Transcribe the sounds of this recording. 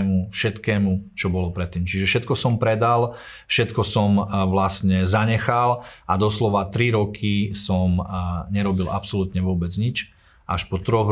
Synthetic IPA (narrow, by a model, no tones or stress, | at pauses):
mufʃɛt̪kɛːmut͡ʃɔbɔlɔpɾɛt̪ːiːmt͡ʃiʒɛfʃɛt̪̚kɔsɔmpɾɛd̪al | fʃɛt̪kɔsɔmʋlast̪ɲɛzaɲɛxalʔad̪ɔslɔʋat̪ɾiɾɔkʰisɔmɲɛɾɔbilʔa̰psɔlut̪ɲɛʋʊɔbɛd͡zɲit͡ʃ | ʔaʃpɔt̪ɾɔɣ